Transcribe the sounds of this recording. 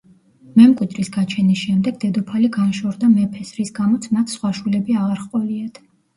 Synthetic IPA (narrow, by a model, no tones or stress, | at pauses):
mɛmkʼwid̪ɾisɡat͡ʃʰɛnisʃɛmd̪ɛɡd̪ɛd̪ɔpʰaliɡanʃɔɾd̪amɛpʰɛsɾisɡamɔt̪sʰmat̪ʰsχwaʃwilɛbiaʁaɾχqʼɔliat̪ʰ